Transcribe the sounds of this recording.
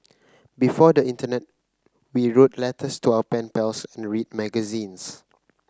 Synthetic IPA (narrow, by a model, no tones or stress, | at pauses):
bifɔdəĩntənɛt̚ | wiɹotlɛtʰəstuawəpɛ̃npɛlsɛ̃nɹid̚mɛɡəzĩns